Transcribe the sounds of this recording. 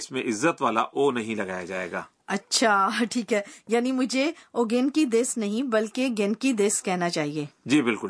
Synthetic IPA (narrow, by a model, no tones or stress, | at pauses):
ɪsmẽʔɪzːət̪ʋaːla̰ʔoːnɐɦĩlɐɡaːja̰d͡ʒa̰ːḛːɡa̰ː | ɐtːʃʰaʈʰiːkɦɛːjaːnimʊd͡ʒʱeoːɡeːnkid̪eːsnɐɦĩbɐlkeɡeːnkid̪eːskɛɦnat͡ʃaːɦieːd͡ʒiːbɪlkʊl